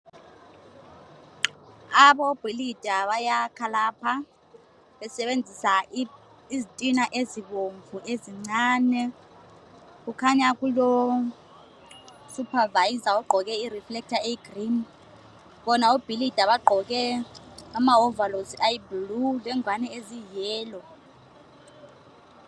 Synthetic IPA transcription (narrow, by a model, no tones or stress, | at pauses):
aɓɔb̥ʱilid̥ʱaɓajakʰalaːpʰa | ɓɛsɛɓend͡zʱisa | izitʼinaʔeziɓoɱvuʔeziŋ͡ǀaːnɛ | k̬ukʰaɲak̬ulɔ | supʰavajizaɔɡ͡ǃʱɔk̬ɛiriflɛk̚tʰaeiɡ̥rin | ɓɔnaub̥ʱilid̥ʱaɓaɡ͡ǃʱɔk̬ɛ | amaɔvalosajibululɛŋwanɛezijɛːlɔ